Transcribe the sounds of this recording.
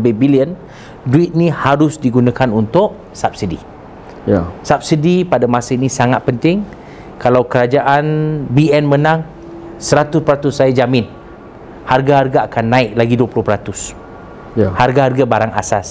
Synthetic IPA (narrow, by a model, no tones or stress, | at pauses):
babiliən | duɪt̪̚nĩhaɾʊsdiɡunakanunt̪ʊʔ | sap̚sidḭ | jsap̚sidipadamãsainĩsaŋat̪̚pənt̪ɪŋ | kalawkəɾad͡ʒaʔanbiɛnmə̃nãŋ | səɾat̪ʊspəɾat̪ʊsːajad͡ʒamɪn | harɡaɦarɡaakanːãɪʔlaɡiduəpulʊhpəɾat̪ʊs | harɡaharɡabaɾaŋa̰sas